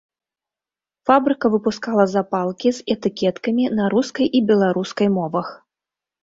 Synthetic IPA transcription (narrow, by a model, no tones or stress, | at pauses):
fabɾɨkɐvɨpuskalˠɐzapalˠkʲizɛt̪ɨkʲɛt̪kɐmʲinɐɾuskɐjʔibʲɛlˠaɾuskɐjmɔvɐx